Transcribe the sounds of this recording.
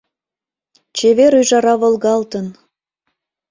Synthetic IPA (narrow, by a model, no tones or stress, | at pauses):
t͡ɕeβeɾyjʒɑɾɑβolɣɑlt̪ən